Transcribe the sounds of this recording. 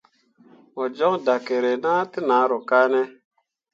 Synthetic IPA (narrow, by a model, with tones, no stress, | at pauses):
ɔ˨d͡ʒɔ˦ŋda˨ke˨ɾe˨naː˦ti˦naː˨˦ɾɔ˨ka˦nɛ˦